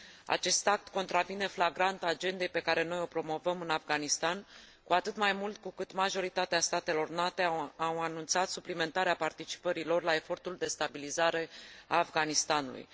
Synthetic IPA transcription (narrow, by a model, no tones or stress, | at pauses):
a̰t͡ʃe̞st̪ak̚t̪ko̞nt̪ɾavine̞flaɡɾant̪ad͡ʒe̞nd̪e̞jpe̞kaɾe̞no̞jo̞pɾo̞mo̞vəmɨnafɡanist̪an | kuat̪ɨt̪majmult̪̚kukɨt̪maʒo̞ɾit̪at̪east̪at̪e̞lo̞rnat̪e̞awanunt̪sat̪suplime̞nt̪aɾeapart̪it͡ʃi̥pəɾilo̞rlae̞fo̞rt̪uld̪e̞st̪abilizaɾe̞aːfɡanist̪anṵlṵj